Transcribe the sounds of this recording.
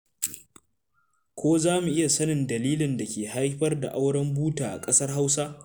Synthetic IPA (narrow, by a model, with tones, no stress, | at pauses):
kʷoː˦zaː˦mu˨ʔɪ˦ja˨sɐ˦nɪ˨ndɐ˨liː˦lɪ˨ndɐ˨kʲeː˨ha˦jɸɐ˦rda̰˨ʔa˦wɽɐ˦mbuː˦taː˨ʔa̰˨kʼɐ˦sɐ˦rɦa˦wsa˦